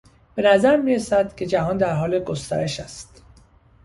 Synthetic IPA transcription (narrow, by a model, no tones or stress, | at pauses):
b̥e̞næzæɾmiːɾesæd̪̥cʰe̞d͡ʒæɦɒːnd̪æɾɦɒːleɡost̪æ̰ɾe̞ʃæst̪